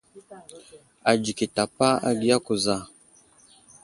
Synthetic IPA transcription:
a˨d͡ʒi˨ki˨ta˨pa˦a̰˨ɡi˦ja˦ku˨za˦˨

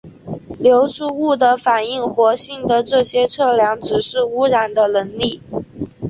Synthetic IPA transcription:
ljo˧˥ʊʂu˥˧u˥˩d̪ə˩fa˨˩ni˥˩ŋxwɔ˧˥ɕi˥˩ŋd̪ə˨ʈ͡ʂɤ˥˩ɕjɛ˥ʈ͡ʂʰɤ˥˩ljɑ˧˥ŋʈ͡ʂɻ̩˨˩ʂɻ̩˥˩u˥ɻa˨˩nd̪ə˦lə˧˥nli˥˩

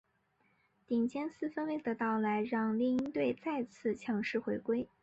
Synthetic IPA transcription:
t̪i˨˩ŋt͡ɕjɛ˥nsɹ̩˥˩fə˥nle˧˥˩ɪd̪ə˧˦t̪ɑ˥˩ʊla˧˥ɪɻɑ˥˧ŋliɛ˥˧i˥nt̪we˥˧ɪt͡sa˥˧ɪt͡sʰɹ̩˥˩t͡ɕʰjɑ˧˥ŋʂɻ̩˥˩xwe˧˥ɪkwe˥ɪ

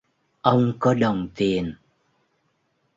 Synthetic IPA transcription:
ʔə˧wŋ͡mkɔ˨˦ɗə˨˩wŋ͡mt̪i˨˩ən

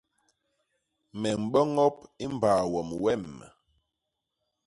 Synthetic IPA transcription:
mɛ˨m̩˨ɓɔ˦ŋɔ˦p̚i˦m˨baː˨wɔ˨mwɛ˦˨mː˨

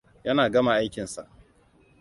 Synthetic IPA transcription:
jɐ˦naː˨ɡɐ˦ma˨ʔa˦jkʲɪ˨nsa̰˨ʔ

